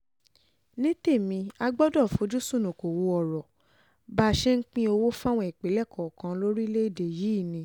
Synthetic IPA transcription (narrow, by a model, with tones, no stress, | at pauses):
nĩ˦te˦˨mĩ˧˦a˧ɡ͡bɔ˦dɔ˦˨fo˨˦d͡ʒu˦sũ˦˨nũ˨ko˨wo˧ɔ˨ɾɔ˨ | ba˦˨ʃe˦ŋ̩˦k͡pĩ˦o˧wo˦fa˦w̃ɔ̃˧˦ɛ˨k͡pe˨˦lɛ˦˨kɔ˨kã˨˧˦lo˦ɾi˦le˦i˦˨de˨ji˨˦˨nĩ˨˧˦